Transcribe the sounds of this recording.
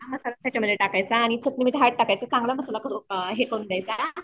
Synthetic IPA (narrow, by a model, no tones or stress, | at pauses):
məsalasat͡ɕʰaməd̪ʱːleʈakajt͡saːɽ̃it͡sʰək̪nimiʈ̪ɦaʈ̚ʈakajt͡sat͡sãŋɡlaməsalakəɾukaɦekond̪ajt͡sa